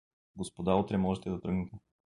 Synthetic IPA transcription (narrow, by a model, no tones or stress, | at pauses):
ɡospod̪aot̪ɾɛmɔʒɛt̪ɛd̪ɐt̪ɾɤɡnɛt̪ɛ